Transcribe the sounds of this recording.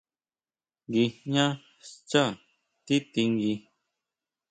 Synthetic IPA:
ŋɡi˧ɲã˦ | st͡ʃa˦˨ | t̪i˦t̪i˧ŋɡi˧

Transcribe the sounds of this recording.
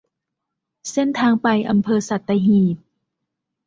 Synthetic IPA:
se˥˨nt̪ʰaː˧ŋpa˧jʔa̰˧mpʰɤː˧sa˨˩t̪ːa˧ɦiː˨˩t̪̚

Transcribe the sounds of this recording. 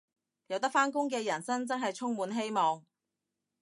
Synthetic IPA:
jɐ˨˧wt̪ɐ˥k̚faː˥nkʊ˥ŋkɛː˧jɐ˨˩nsɐ˥nt͡sɐ˥ŋɦɐ˨jt͡sʰʊ˥ŋmuː˨˧nɦe˥jmɔː˨ŋ

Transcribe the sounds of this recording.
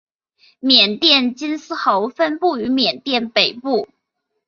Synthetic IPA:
mjɛ˨˩nt̪jɛ˥˩nt͡ɕi˥nsɹ̩˥xo˧˥ʊfə˥npu˥˩y˧˥mjɛ˨˩nt̪jɛ˥˩npe˨˩ɪpu˥˩

